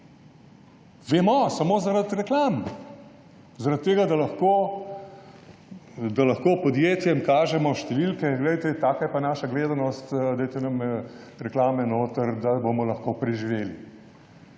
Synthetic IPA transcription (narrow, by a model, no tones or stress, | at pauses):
ʋemɔsɐmoːzaɾat̪ɾɛklaːm | zaɾat̪̚t̪ːeːɡad̪alɐxkoː | d̪alɐxkoːpɔd̪jeːt̪jɛmkaːʒɛmɔʃt̪ɛʋilkɛɡlɛjt̪ɛt̪aːkajɛpanaːʃaɡleːd̪anɔst̪d̪ɛjt̪ɛnɐmɾɛklaːmɛnoːt̪əɾd̪abomɔlɐxkopɾɛʒiʋeːli